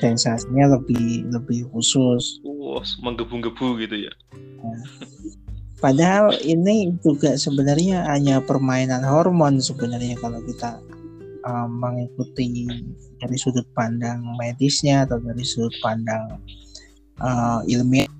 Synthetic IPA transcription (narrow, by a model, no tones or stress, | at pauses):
sɛnsasiɲaləbɪhləbɪhhusʊsɔmaŋɡəbuŋɡəb̥uɡit̪uja̰ | ja | padaɦalinid͡ʒuɡasəbənərɲaɦaɲapərmainanɦɔrmɔnsəbənaərɲakalakit̪a | ʔəːəŋikut̪ɪ | daɾisudʊt̪̚pandaŋmedɪsɲaːt̪awdaɾisudʊt̪̚pandaŋ | ʔəḭlmi